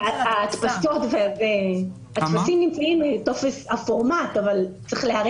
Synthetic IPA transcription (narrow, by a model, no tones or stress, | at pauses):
aaːtpaso̞tveve | at̪pasimnimt͡saimeto̞feshafoʁmatavalt͡sʁeχlehaʁ